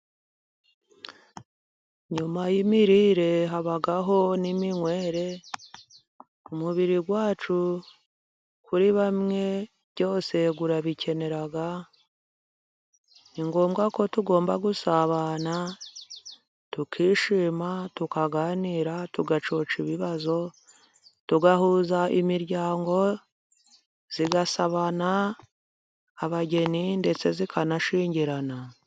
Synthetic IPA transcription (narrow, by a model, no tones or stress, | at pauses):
ɲumajimiɾiɾe̞ɦaβaɡaɦo̞nimiŋwe̞ːɾe̞ | umuβiɾiɡwaːt͡ʃu | kʰuɾiβamŋe̞ | βɟo̞ːse̞ɡuɾaβicʰe̞ne̞ɾaɡa | niŋɡo̞ːmɡako̞tuɡo̞ːmbaɡusaβana | tukʰiːʃiːmatukaɡaːniːɾatuɡat͡ʃo̞ːt͡ʃiβiβazo̞ | tuɡahuːzaimiɾɟaːŋɡo̞ | z̥iɡasaβana | βaɟe̞ninde̞t͡se̞zikʰanaʃiːɲɟiɾana